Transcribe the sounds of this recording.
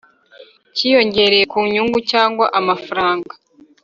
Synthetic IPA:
cijo̞ɲɟe̞ɾeje̞kuːɲuːŋɡucaːŋɡwa̰ʔamafaɾaːŋɡḁ

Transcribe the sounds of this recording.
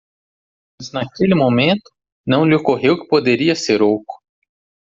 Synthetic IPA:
mɐznakelɪmomẽnt̪ʊ̥ | nɐ̃w̃lɪokoɦewkɪ̥pod̪eɾiɐseɾowkʊ̥

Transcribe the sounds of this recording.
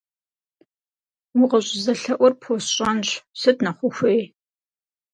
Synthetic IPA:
wʊʁɐɕʼzɐɬɐʔʷɔrpʰoːsɕʼɐnɕsɨtnɐχʷʊxʷej

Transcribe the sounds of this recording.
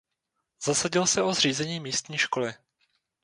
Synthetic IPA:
z̥asaɟɪlsɛʔo̞zr̝iːzɛɲiːmiːst̪ɲiːʃko̞lɪ

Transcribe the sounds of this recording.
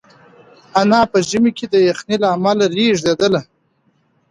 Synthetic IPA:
anɑpəʒəmeked̪əjaxnilaːmalaɾiʒd̪ed̪əla

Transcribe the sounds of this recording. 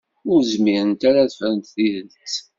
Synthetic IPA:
ʊɾzmiɾənt̪aɾaðəfɾəmt̪θiðəlt͡s

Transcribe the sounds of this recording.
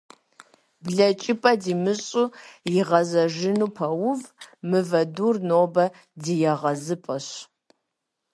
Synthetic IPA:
bɮɐt͡ʃʼɪpʼɐdiːmɨɕʼujɪʁɐzɐʒɪnuːpʰɐwʊvmɨvɐduːrnoːbɐ | dijɛʁɐzɨpʼɐɕ

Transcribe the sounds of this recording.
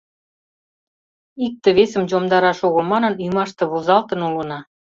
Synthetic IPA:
ik̚t̪ə̆βesə̆md͡ʑomd̪ɑɾɑʃoɣomɑnɤ̆nyjmɑʃt̪ɤ̆βozɑlt̪ə̆nulə̆nɑ

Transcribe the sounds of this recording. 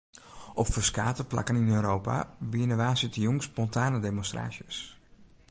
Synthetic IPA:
ʔɔpfərskaːtəpla̰kəninøːɾowpa̰biənəʋaːsitəjoŋspɔntʰaːnədemonstra̰ːsjəs

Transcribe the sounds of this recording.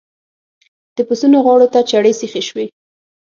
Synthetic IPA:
d̪̥əpʊsunoɣwɑɽot̪at͡ʃaɽesixeʃwe

